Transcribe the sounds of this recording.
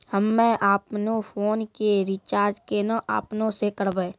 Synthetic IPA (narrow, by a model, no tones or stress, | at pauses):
həmːẽʔaːpnõfʰoːnkeɾit͡ʃaːɾd͡ʒkenaʔa̰ːpnõsekəɾbeː